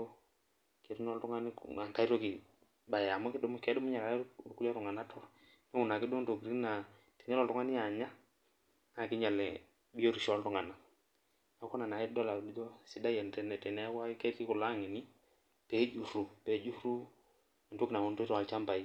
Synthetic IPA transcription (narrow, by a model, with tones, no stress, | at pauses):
ke˨tu˦nɔ˦ltu˦ŋa˦nḭ˦a˨ŋka˨˦i˦ɾo˦ki˨ | ba˨ja˨mɔ˦kɪ˦du˦mu˦kɛ˨˦dʊ˦mʊ˦ɲa˨ɾa˨˦ku˦a˦ɾʊ˨ŋa˨na˦tʰɔ˦ | nɛ˦u˨na˨kɪ˦do˦n˦to˨kɾi˦na˨ | ti˨ŋɛ˦lɔ˨ltʊ˦ŋa˦ni˦a˨ɲa˦ | na˨kɪ˦ɲa˨lɛ˨ | bi˦o˦ɾi˨ʃɔ˦ltu˦ŋa˨na˨ | na˨˦kɔ˦na˨na˨ɛ˦dɔ˦la˨du˦d͡ʒɔ˦si˨˦da˦jɛ˨n˨tɛ˨nɛ˨tɛ˨nɛ˨˦kwa˦kɛ˦ti˦ku˨la˦ŋe˨ni˦ | pɛ˨˦d͡ʒu˨ɾu˨pɛ˨˦d͡ʒu˦ɾu˦˨ | n˨to˦ki˨na˨ŋo˨n˦to˦tɔ˨a˨t͡ʃa˦mpa˨i˨